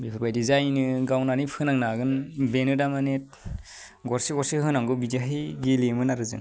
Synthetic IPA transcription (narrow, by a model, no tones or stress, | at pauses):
bipʰɯɾbajdizajnɯɡawnanipʰɯnaŋnaɡɯnbenɯdamanet̚ | ɡɔɾsiɡɔɾsihɦɯnaŋɡɯbidaɦiɡelemɯnaɾɯzɯ̰n